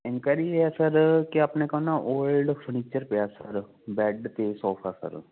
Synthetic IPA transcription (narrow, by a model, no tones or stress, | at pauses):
ɪ̃ŋkaːɾid͡ʒɛːsəɾkɪaːpnẽːkənãːʔoːlɖpʰəɾniːt͡ʃəɾpeaːsəɾ | bɛːɖt̪eːsɔːpʰa̰ːsə̰ɾ